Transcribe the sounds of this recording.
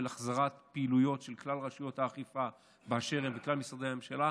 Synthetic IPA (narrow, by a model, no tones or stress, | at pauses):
elaχzaʁat̪peːlujo̞tʃe̞lklalʁaʃujo̞t̪haːχifa | beaʃe̞ʁembeklalmisʁad̪ehamemʃala